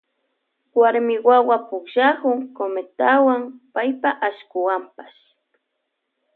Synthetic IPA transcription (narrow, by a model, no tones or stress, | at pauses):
waɾmɪwawapʊkʃahʊŋkomet̪awaŋpajpaʔaʃkʊwampḁʃ